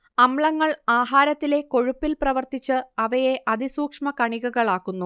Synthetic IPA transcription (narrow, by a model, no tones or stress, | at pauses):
ɐmɭɐŋːɐɭaːɦaːɾɐt̪ːile̞ko̞ɻupːilprɐʋɐrt̪it͡ɕːɨɐʋɐje̞ʔɐd̪isuːkʂmɐkɐɳiɣuɣɐɭaːkːunːu